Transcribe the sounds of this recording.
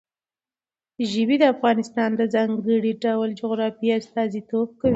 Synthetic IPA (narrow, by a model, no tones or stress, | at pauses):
ʒɪbid̪əafɣɑnɪst̪ɑnd̪əzɑŋɡəɽiɖawald͡ʒʊɣɾɑfiast̪ɑzit̪ob̚kawi